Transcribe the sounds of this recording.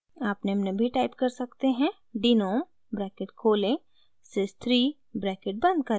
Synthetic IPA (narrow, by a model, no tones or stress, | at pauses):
aːpnemnebʱiʈaːɪpkɐɾsɐkt̪eɦɛ̃ | ɖinoːm | bɾɛːkɪʈkʰoːlẽ | sɪst̪ʰɾiː | bɾɛːkɪʈ̚bɐ̃nd̪̚kɐ